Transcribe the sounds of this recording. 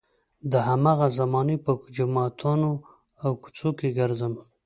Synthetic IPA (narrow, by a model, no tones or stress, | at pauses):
d̪əɦamɑɣazamɑnepəd͡ʒamɑt̪ʰɑno | awkʊ̥t͡sokeɡəɾzəm